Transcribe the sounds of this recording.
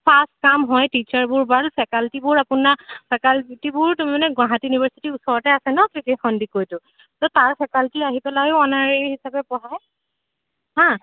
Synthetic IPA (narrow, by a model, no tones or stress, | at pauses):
pʰastkamɦɔjtit͡ʃaɹbʊɹbalpʰɛkaltibʊɹapʊnapʰɛkaltibʊɹtʊmmanɛɡwãɦatiunibaɹsitiusɔɹɔtɛasɛnɔkikixɔndikojtʊ | tɔtaɹpʰɛkaltiaɦipɛlajʊɔnaɹɛhisabɛpɔɦaj | ɦã